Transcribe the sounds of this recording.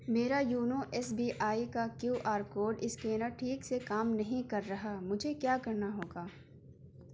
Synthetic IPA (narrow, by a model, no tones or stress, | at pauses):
meːɾajuːnoʔɛːsbiːʔaːikakjuːʔaːɾkoːɾɖɪskeːnəʈʰiːksekaːmnɐɦĩkɐɾːɐɦamʊd͡ʒʱekjaːkɐɾnaɦoːɡaː